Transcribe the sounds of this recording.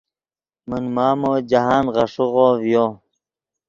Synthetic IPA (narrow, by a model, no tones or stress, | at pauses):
munmaːmoːd͡ʑaɦaːnʁɑʂuʁoːvjoː